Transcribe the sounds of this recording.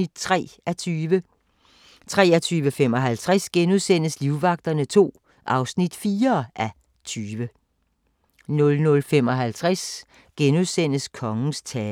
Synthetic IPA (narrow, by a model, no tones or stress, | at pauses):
id̥t͡sʰʁɛ̰ːʔæt͡sʰyʋə | t͡sʰʁɛ̰ːæt͡sʰyːʋəfem̰ɒ̽ɦælt͡sʰʁasɡ̥enuðˠsen̰əsliʊʋɑ̈ɡ̥̚d̥ɐnət͡sʰo̝̰ː | ʔɑ̈ʊsnid̥fiːɐʔæ | t͡sʰyːʋə | nɔ̽lnɔ̽lfem̰ɒ̽ɦælt͡sʰʁas | ɡ̥enuðˠsen̰əskʰɒ̽ŋn̩st͡sʰɛː